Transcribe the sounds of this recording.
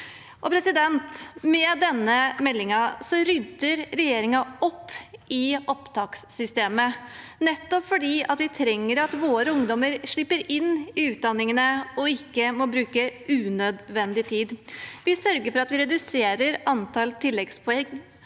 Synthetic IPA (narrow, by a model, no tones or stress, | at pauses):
ʔɔpʰɾɛsɪd̪ɛnt̪mɛd̪ɛnːəmɛlːɪŋɑsɔɾʏd̪əɾɾɛjeːɾɪŋɑɔpːɪʔɔpt̪ʰɑːkssʏst̪eːmənɛt̪ːɔpfɔɖiːʔɑt̪ʋɪt̪ʰɾɛŋːəɾɑt̪ʋoːɾəʊŋd̪ɔməɾʂɭɪpːəɾɪnːɪʉːt̪̚d̪ɑnːɪŋənəɔɪkːəmɔbɾʉːkəʔʉːnød̪ʋɛnd̪ɪt̪ʰiːd̪ʋɪsœɾɡəɾfɔɾɑt̪ʋɪɾɛd̪ʉseːɾəɾɑnt̪ʰɑlt̪ʰɪlːɛɡspʰɔɛŋ